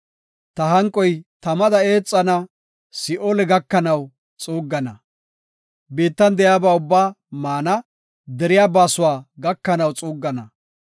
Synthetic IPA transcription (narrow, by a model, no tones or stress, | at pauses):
t̪ɐɦɐŋkʼːɔjt̪ɐmɐd̪ɐe̞ːt͡sʼːɐnɐ | sɪʔoːlɛɡɐkːɐnɐw | t͡sʼuːɡːɐnɐ | beːt̪ːɐnd̪ɛjaːbaːʊbːaː | maːnɐ | d̪ɛɾɪjaːbaːsʊwaːɡɐkːɐnɐwt͡sʼuːɡːɐnɐ